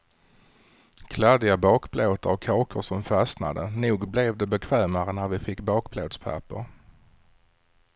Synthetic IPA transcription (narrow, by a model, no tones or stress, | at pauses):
kʰlɛd̪ɪabɑːkbloːt̪əɔkʰːɑːkʰəʂɔmfasna̰d̪ənuːɡblɛvd̪ɛbɛkʰvɛːmaɾənæɾvɪfɪkːbɑːkbloːd̪spʰæ̰pə̰ɾ